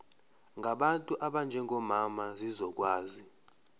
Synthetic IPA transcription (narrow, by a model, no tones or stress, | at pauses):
ŋʱaɓantʼuʔaɓand͡ʒʱɛŋʱɔmamazizɔk̬waːzi